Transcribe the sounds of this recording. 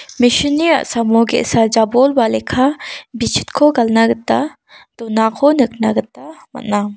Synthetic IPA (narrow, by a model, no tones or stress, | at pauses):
miʃinia̰ʔsɐmoɡɛ̰ʔsad͡ʒabolbalɛkʰabit͡ʃʰi̥t̪kʰoɡɐlnaɡət̪a | d̪̥ɔnakʰonəknaɡət̪amɐ̰ʔna